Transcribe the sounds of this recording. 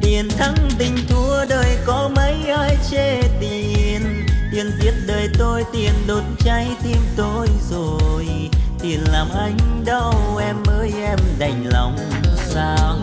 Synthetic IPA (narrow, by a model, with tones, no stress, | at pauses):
t̪i˨˩ənt̪ʰə˨˧˦ŋt̪ï˧ŋ̟t̪ʰu˧əɗəː˨˩jkɔ˨˦mə˨˦jʔa˧jt͡ɕe˧˩t̪i˨˩ən | t̪i˨˩ənzi˨˥ət̚ɗəː˨˩jt̪o˧jt̪i˨˩ənɗo˨˩t̚nt͡ɕa˧˦jt̪i˧əmt̪o˧jzo˨˩j | t̪i˨˩ənlaː˨˩mʔa˨˧˦jŋ̟ɗə˧wʔɛ˧mːəː˨˧˦jʔɛ˧mɗa˨˩jŋ̟lɔ̰˨˩˨wŋ͡msaː˧